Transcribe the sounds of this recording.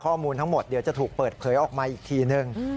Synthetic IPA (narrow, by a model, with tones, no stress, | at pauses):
kʰɔː˥˩muː˧nt̪ʰa˦˥ŋmo˨˩t̪̚di˩˦wt͡ɕa˨˩t̪ʰuː˨˩k̚pɤː˨˩t̪̚pʰɤː˩˦jʔɔː˨˩k̚maː˧ʔiː˨˩k̚t̪ʰiː˧nɯ˧ŋ